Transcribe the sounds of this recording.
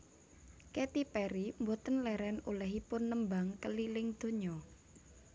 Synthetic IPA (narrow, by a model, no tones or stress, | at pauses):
kɛt̪ipɛɾimbot̪ənlɛɾɛnulɛɦipʊnːəmbaŋkəlilɪŋd̪̥o̤ɲɔ